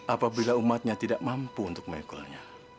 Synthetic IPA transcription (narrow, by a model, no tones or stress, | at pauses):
apabilaumat̪̚ɲat̪idaʔmampuːnt̪ʊk̚majkɔ̰lɲa